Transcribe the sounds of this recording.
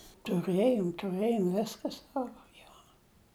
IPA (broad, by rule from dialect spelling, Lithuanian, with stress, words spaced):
tʊˈrɘjoːm tʊˈrɘjoːm ˈʋʲɪskɐ ˈsɑːʋoː ˈjoː